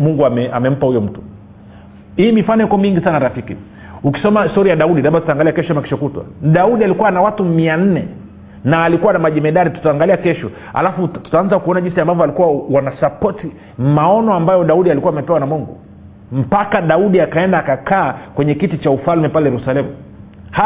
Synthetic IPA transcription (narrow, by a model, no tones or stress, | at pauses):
muŋɡuamɛamɛm̩pahujɔm̩tu̥ | hiːmifanɔjikɔmiŋɡisanaɾafikḭ | uki̥sɔmaistɔɾijaɗauɗilaɓatutaːŋɡaliakɛʃɔamaki̥ʃɔkutwa̰ɗauɗialikuwanawatumian̩nɛ | naːlikuwanamaʄɛmɛɗaɾitu̥taːŋɡaliakɛʃɔ | a̰lafutu̥taanzakuɔnaʄinsiambavɔalikuwawanasapɔti | maɔnɔambajɔɗauɗialikuwaːmɛpɛwanamɔŋɡɔ | m̩pakaɗauɗiakaɛndaːkakaːkwɛɲɛkitit͡ʃaufalmɛpalɛjɛɾusalɛmu | ha